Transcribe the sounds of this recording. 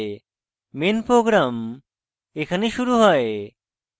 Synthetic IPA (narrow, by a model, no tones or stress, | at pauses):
minpɾoɡɾam | ekʰəniʃuɾuɦɔe